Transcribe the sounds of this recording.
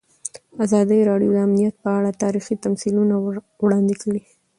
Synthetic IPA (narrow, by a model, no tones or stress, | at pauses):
azɑd̪əjɾɑɖijod̪əamnijat̪̚pəaɽat̪ɑɾixit̪amsiluna | wɽɑnd̪ikəɽi